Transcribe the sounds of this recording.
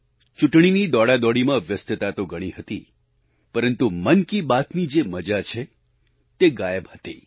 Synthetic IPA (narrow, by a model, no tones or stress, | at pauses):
t͡ʃuʈɳ̃inid̪ɔɽad̪ɔɽimãʋjəst̪ət̪at̪oɡəɽ̃iɦət̪i | pəɾənt̪umənkibat̪nid͡ʒeməd͡ʒat͡ʃʰe | t̪eɡajəbhət̪i